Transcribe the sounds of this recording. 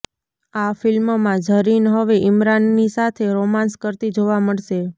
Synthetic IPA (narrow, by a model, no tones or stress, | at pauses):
afɪlmmãd͡ʒʱəɾinɦəʋeʔɪmɾanːisat̪ʰeɾomãnskəɾt̪id͡ʒoʋaməɭʃe